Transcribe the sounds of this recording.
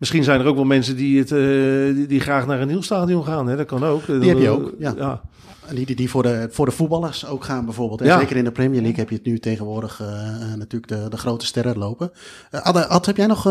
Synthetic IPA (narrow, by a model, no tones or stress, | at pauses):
mɪsχinzɛjnərowkʋɛlˠmɛnsəndiət | diχraːxnaːrənilˠstaːdijomxaːnɦɛdɔtkɔnowkihɛjəojaja | didifʊdəfʊːdəfut̚bɑlˠərsowkxaːnbɛjvoːrbeːlˠtɛazeːkərɪndəprɛmjəlikhɛpjətnytejɣənʋʊːrdəxnatyːləɡ̚dədəxrowtə̥stɛrəlowpə | dɑthɛpjɛjnɔx